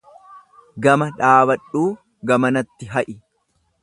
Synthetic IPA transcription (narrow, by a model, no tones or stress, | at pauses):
ɡɐmɐᶑaːbɐᶑuː | ɡɐmɐnɐt̪ːɪɦɐʔɪ